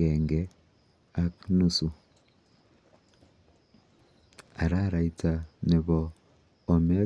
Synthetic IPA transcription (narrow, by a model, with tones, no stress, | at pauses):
ɛ˨ŋɡɛ˨ | a˦knu˦su˨ | a˨ɾa˦ɾa˨ita˨ne˨βɔː˨ | m˦a˦